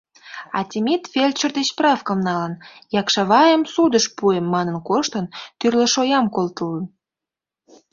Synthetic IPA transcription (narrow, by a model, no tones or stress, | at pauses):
ɑ̰t̪ʲimʲit̪fʲelʲt͡ɕə̆rd̪et͡ɕprɑfkə̆mnɑlənjɑkʃɑβɑjəmsud̪əʃpuemːɑnə̆nkoʃt̪ənt̪yrlə̆ʃojɑmkolt̪ələm